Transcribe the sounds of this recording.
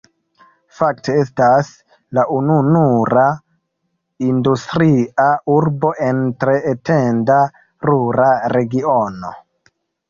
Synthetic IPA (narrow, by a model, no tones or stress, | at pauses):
fak̚te̞e̞stas | laʔununuɾa | industɾiauɾbo̞ʔe̞ntɾe̞ːtenda | ɾuɾaɾe̞ɡio̞no̞̰